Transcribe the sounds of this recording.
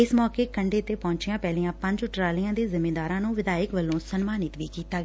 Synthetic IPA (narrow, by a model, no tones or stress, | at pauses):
ɪsmɔːkeːkəɳɖeːt̪eːpɔ̃ːɲt͡ʃɪjãːpɛːlijãːpə̃ɲd͡ʒʊʈɾaːlijãːd̪eːzɪmeːd̪aːɾãːnũːʋɪd̪aːjəkʋəlːõːsənmaːnɪt̪ʋiːkiːt̪aːɡː